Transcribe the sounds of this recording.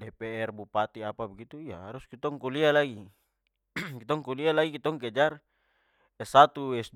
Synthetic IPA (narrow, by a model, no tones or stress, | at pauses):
dɛpɛɛrbupat̪iapabɛɡit̪uija̰ɦaɾuskit̪ɔŋkulialaɡi | kit̪ɔŋkulialaɡikit̪ɔŋkɛd͡ʒar | ɛsat̪uwɛsd